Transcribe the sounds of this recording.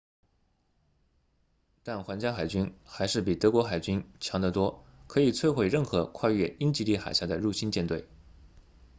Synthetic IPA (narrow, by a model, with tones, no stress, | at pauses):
t̪a˥˩nxwa˧˥nt͡ɕja˥xa˨˩ɪt͡ɕy˥nxa˧˥ɪʂɻ̩˥˩pi˨˩t̪ɤ˧˥kwɔ˧˥xa˨˩ɪt͡ɕy˥nt͡ɕʰjɑ˧˥ŋd̪ə˧t̪wɔ˥kʰɤ˧˥i˨˩t͡sʰwe˥˧ɪxwe˥˧ɪɻə˥˩nxɤ˧˥kʰwa˥˧ɥɛ˥˩i˥nt͡ɕi˧˥li˥˩xa˨˩ɪɕja˥˩d̪ə˩ɻu˥˩ɕi˥nt͡ɕjɛ˥˧nt̪we˥˩ɪ